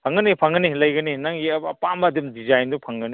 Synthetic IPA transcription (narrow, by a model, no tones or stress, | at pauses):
pʰaŋɡɐnipʰaŋɡɐnilɐjɡɐninaŋɡiɐɐpamɐdimdizajndupʰaŋɡɐni